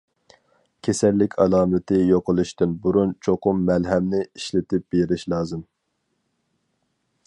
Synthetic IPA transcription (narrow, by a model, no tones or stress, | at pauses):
kʲʰesɛlːɪkʲʰɑlˠɑːmɨt̪ʰɨjoqəlˠɨʃt̪ɨnbuɾunt͡ʃʰoqʊmːɛlɦɛmnɪiʃlɪt̪ɪp̚b̥eɾɪʃlˠɑːzɨm